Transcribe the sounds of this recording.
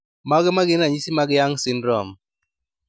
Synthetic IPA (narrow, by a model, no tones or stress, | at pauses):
maɡɪmaɡɪnaɲisimaɡɪjaŋsɪnɾɔm